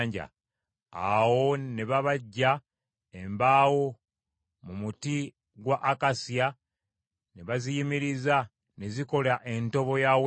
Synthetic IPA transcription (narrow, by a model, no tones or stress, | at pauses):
ɲɟa̰ | a̰wo̞ne̞βaβaɟːa | embaːwo̞ | mumuti | ɡwaʔːkasja | neβazijimiɾiza | ne̞ziko̞laʔe̞nto̞βo̞jaw